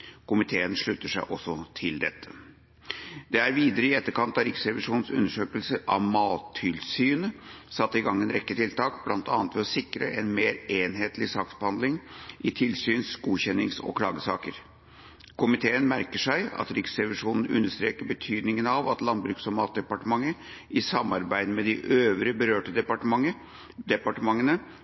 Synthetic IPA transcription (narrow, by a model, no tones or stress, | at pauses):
kʊmɪt̪ʰeːənʂɭʉt̪ːəʂæɪʔɔsːɔt̪ʰɪld̪ɛt̪ʰːə̥ | d̪̥ɛæɾʋiːd̪əɾəɪɛt̪ːəɾkɑnt̪ɑɾɪksɾɛʋɪʂuːnn̩sʉ̰nːəʂøːkəlsəʔɑ̰ʋmɑːt̪ʰːɪlsyːnə | sɑt̪ːəɪɡɑŋːɛnɾɛkːət̪ʰɪlt̪ʰɑːkblɑnt̪ɑ̰ːnət̪ʰʋɛlɔsɪkɾə̰ʔɛnmeːɾeːnɦeːt̪lɪsɑːksb̥əhɑnd̪lɪŋʔɪt̪ʰɪlsyːnsɡuːçɛnːɪŋsɔ̰kʰlɑ̰ːɡəsɑ̰ːkəɾ | kʰʊmɪt̪ʰeːənmæɾkəʂæɪɑ̰t̪ɾɪksɾɛʋɪʂuːnn̩ʉ̰nːəʂt̪ɾeːkəɾbət̪ʰyːd̪nɪŋənɑʋɑt̪lɑnbɾʉːksɔmɑːt̪̚d̪ɛpɑʈəmɑŋːə | ɪsɑmːɑɾbæɪd̪əmɛd̪ɪʔøːʋɾəbəɾøːʈəd̪ɛpɑʈəmɑŋə | d̪ɛpɑʈəmɑŋːənə